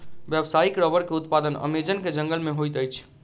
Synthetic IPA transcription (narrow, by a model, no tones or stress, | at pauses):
bjəbsaikɾɔbəɾkeut̪pad̪ənə̰med͡ʒənked͡ʒəŋɡəlmeɦojt̪əjt͡ʃʰ